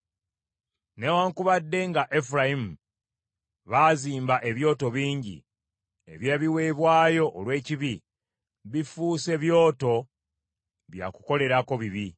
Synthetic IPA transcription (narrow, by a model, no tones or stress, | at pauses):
newaːŋkuβadːe̞ŋɡaʔefuɾaimu | βaːziːmbaʔe̞βjo̞ːto̞βiːɲɟḭ | ḛβjeːβiwe̞ːβwaːjo̞ʔːlwe̞ːciβi | βifuːse̞βjo̞ːto̞ | βja̰ku̥ko̞le̞ɾako̞βiβi